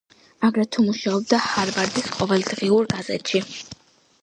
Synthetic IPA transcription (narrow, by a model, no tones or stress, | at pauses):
aɡɾɛt̪ʰumuʃaɔb̚d̪ahaɾvaɾd̪isqʼɔvɛld̪ʁiuɾɡazɛ̰t̪ʃi